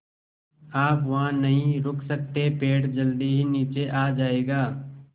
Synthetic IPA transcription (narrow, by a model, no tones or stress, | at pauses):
aːpʋɐɦãnɐɦĩɾʊkʰsɐk̚t̪epeːʈd͡ʒɐld̪iɦiniːt͡ʃeʔaːd͡ʒaːeːɡaː